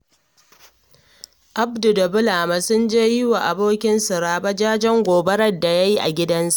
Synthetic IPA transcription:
ʔa˦bdʊ˨da˨bʊ˦laː˨ma˨sʊ˦nd͡ʒeː˦jɪ˦wa˨ʔa˨boː˦kʲɪ˦nsʊ˨ɾaː˦ba˦d͡ʒaː˦d͡ʒɛ˦ŋɡʷoː˨bɐ˦ɾɐ˦da˨ja˦ji˦ʔa̰˨ɡʲɪ˦dɐ˦nsa˦ʔ

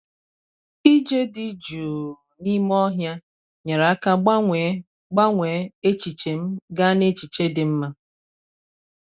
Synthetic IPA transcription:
i˦d͡ʒe˦di˨d͡ʒu˨ | ni˦m˦ɔ˦ɦja˦ | ɲa˨ɾa˨a˦ka˦e˨ | ɡ͡ba˦ŋʷe˨˦e˦t͡ʃi˨t͡ʃe˨m̩˦ɡa˦ne˦t͡ʃi˨t͡ʃe˦dɪ˨m̩˦ma˦

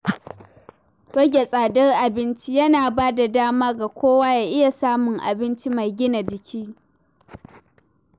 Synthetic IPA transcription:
wɐ˦ɡʲe˨sʼaː˨dɐ˦rʔa˨bɪ˦nt͡ʃi˦jɐ˦naː˨baː˦da˨daː˦maː˦ɡa˨kʷoː˦waː˦jaː˨ʔɪ˦ja˨saː˦mʊ˨ŋʔa̰˨bɪ˦nt͡ʃi˦ma˨jɡʲɪ˦na˨d͡ʒɪ˨kʲʰiː˦

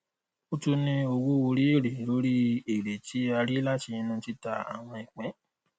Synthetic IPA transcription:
o˦tu˧nĩ˧o˧wu˦o˧ɾi˦e˦˨ɾe˨lo˦ɾi˦e˨ɾe˨ti˨˦a˧ɾi˦la˦ti˧ĩ˧nũ˦˧ti˦ta˧a̰˨w̃ɔ̃˧i˨k͡pɛ̃˨˦

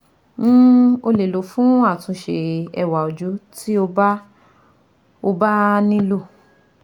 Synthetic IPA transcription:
ñ̩˦o˧le˨lo˨˦fũ˦a˦˨tũ˧ʃe˨ɛ˧˨wa˨o˨d͡ʒu˨˦tʰi˦o˧ba˦ | o˧ba˦nĩ˦lo˦˨

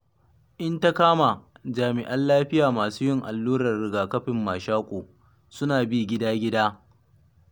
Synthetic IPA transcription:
ʔɪ˦nta˦kaː˦ma˨d͡ʒaː˨mɪ˨ʔɐ˦nlaː˦ɸɪ˦jaː˨maː˨suː˦jɪ˦ŋʔa˨lːuː˦ɾɐ˨rɽɪ˨ɡaː˨kɐ˦ɸɪ˨mːaː˨ʃaː˦kʷʼoː˨ | sʊ˦naː˨bi˦˨ɡʲɪ˦daː˦ɡʲɪ˦daː˦

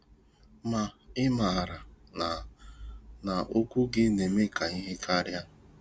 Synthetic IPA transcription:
ma˨ɪ˦ma˨a˨ɾa˨ | na˨o˦kʷu˦ɡɪ˦ne˨me˦ka˨i˦ɦe˦kʰa˦ɾja˦

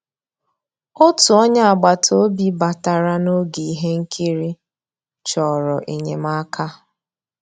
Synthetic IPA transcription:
o˦tu˨ɔ˦ɲa˦a˨ɡ͡ba˨tʰo˦bi˦ba˨ta˨ɾa˦no˦ɡi˨ɦe˦ŋ̩˦kʰi˦ɾi˦ | t͡ʃɔ˨ɾɔ˨ʔe˨ɲe˨ma˦kʰa˦

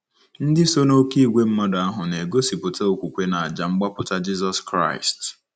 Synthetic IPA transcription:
n̩˦dɪ˦so˦no˦ki˦ɡʷe˦m̩˦mɔ˦da˦ɦʊ˨ne˨ɡo˦si˨pʊ˨ta˦o˨kʷu˨kʷe˦na˨a˨d͡ʒa˨ŋ͡m̩˦ɡ͡ba˦pʊ˨ta˦d͡ʒi˦zɔ˦skɾa̰˦ɪ̰˨st

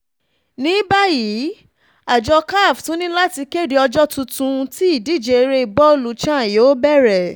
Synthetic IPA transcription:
nĩ˨˦ba˦ji˨˦ | a˨d͡ʒɔ˧ka˦˨ftũ˨˦nĩ˦la˦ti˧ke˦˨de˧ɔ˧d͡ʒɔ˦tũ˧tũ˧ti˦i˦˨di˨˦˨d͡ʒe˧˨˧ɾe˦i˧˨bɔ˦o˦˨lu˨t͡ʃã˦˨jo˨˦bɛ˦˨ɾɛ˨

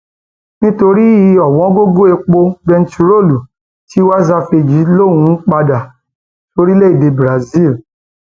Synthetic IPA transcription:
nĩ˦to˧ɾi˦i˨˧ɔ˨wɔ̃˨˦ɡo˦ɡo˦e˧k͡po˧bɛ˧n̩tu˧ɾo˦˨lu˨ | ti˦wa˦za˧fe˨d͡ʒi˨˦lo˦˨ũ˨˦k͡pa˧da˨ | to˧ɾi˦le˦i˦˨de˨˧bɾa˨zi˦˨l

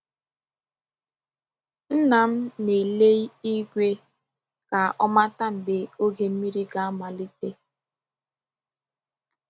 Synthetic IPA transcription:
n̩˦na˨m̩˦ne˨le˦i˦ɡʷe˦ | ka˨ʔɔ˦ma˦ta˦m̩˨be˨o˦ɡe˨m̩˦mi˦ɾi˦ɡa˦a˦ma˨li˦te˦

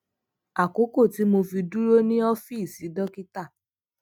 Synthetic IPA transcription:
a˨ko˨˦ko˦˨ti˨˦mo˧fi˧du˦ɾo˦nĩ˦ɔ˦fi˦˨si˨˦dɔ˦ki˦ta˦˨

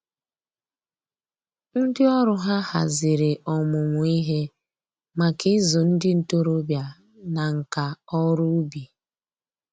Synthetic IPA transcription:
n̩˦dɪ˦ɔ˦ɾʊ˦ɦa˦ha̰˨zɪ˨ɾɪ˨ʔɔ˨mʊ˨ŋʷʊ˨i˦ɦe˦ | ma˨kɪ˦zʊ˨n̩˦dɪ˦n̩˨to˦ɾo˦bja˨ | na˨ŋ̩˨ka˨ɔ˦ɾʊ˦bi˨

